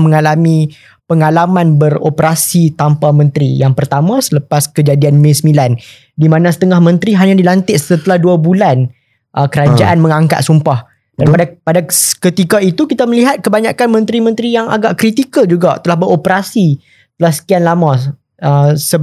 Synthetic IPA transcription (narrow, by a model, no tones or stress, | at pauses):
mə̃ŋalamĩ | pəŋalamãnbəro̰pəɾasit̪ampamə̃nt̪ɾijaŋpərt̪amãsələpaskəd͡ʒadianmẽsəmilan | dimãnãsə̥t̪əŋahmə̃nt̪ɾiɦaɲadilant̪ɪʔssət̪əlahduabulan | ʔəkəɾad͡ʒaʔanmə̃ŋaŋka̰t̪̚sumpah | danpadapadakət̪ikait̪ukit̪aməliɦat̪̚kəbaɲakanmə̃nt̪ɾimə̃nt̪ɾijaŋa̰ɡaʔkɾit̪ikəld͡ʒuɡaʔt̪əlahbəɾopəɾasi | ət̪əlahsə̥kianlamã | əsə